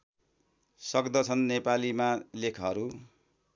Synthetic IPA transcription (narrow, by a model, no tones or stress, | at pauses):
sʌkd̪ʌt͡sʰʌnːepalimalekʰɦʌɾu